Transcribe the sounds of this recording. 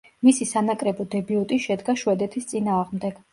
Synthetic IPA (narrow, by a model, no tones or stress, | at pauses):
misisanakʼɾɛbɔd̪ɛbiɔt̪ʼiʃɛd̪ɡaʃwɛd̪ɛt̪ʰist̪sʼinaːʁmd̪ɛɡ̥